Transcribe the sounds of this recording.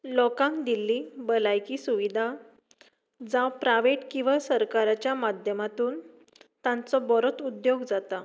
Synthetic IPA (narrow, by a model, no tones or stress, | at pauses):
lɔkãŋkd̪ilːibəlajkiːsuʋid̪ʱa | d͡zãwpɾaʋeʈkĩʋasəɾkaɾat͡ɕjamad̪ʱjəmat̪uːn | t̪ãnt͡sɔbɔɾɔt̪ud̪joɡd͡zat̪a